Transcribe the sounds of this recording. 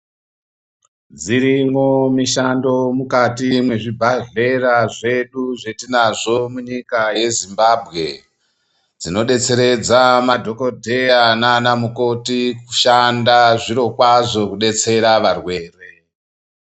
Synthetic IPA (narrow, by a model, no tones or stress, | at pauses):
d͡ziɾimomiʃando̞mukatimwe̞ʐibʱaɮe̞ɾaʐe̞ɗuʐetinaʐo̞muɲikaje̞zimbabʱɣe̞ | d͡zino̞ɗe̞t͡se̞ɾe̞d͡zamadʱo̞ko̞dʱe̞ananamuko̞tiku̥ʃandaʐiɾo̞kwaʐo̞kuɗe̞t͡se̞ɾaʋarwe̞ːre̞